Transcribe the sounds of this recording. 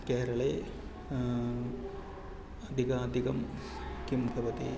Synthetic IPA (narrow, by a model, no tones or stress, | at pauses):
keːɾɐɭeː | ɐd̪ʱikaɐd̪ʱiɡɐm | kimbʱɐʋɐt̪ḛː